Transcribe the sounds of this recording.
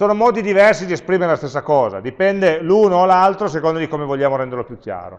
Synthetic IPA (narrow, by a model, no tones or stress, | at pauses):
soːnomɔːd̪id̪ivɛrsid̪iespɾiːmeɾelast̪esːakɔːza̰d̪ipɛnd̪eluːnoːlalt̪ɾos̬ekond̪od̪ikomevoʎːaːmoɾɛnd̪erlopjukːja̰ːɾo̰